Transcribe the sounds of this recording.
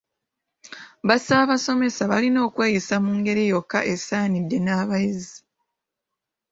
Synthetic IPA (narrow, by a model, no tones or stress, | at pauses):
βasaβaso̞me̞saβalino̞ːkwe̞ːjisamuːŋɡe̞ɾijo̞kːaʔe̞saːnidːe̞naːβajizi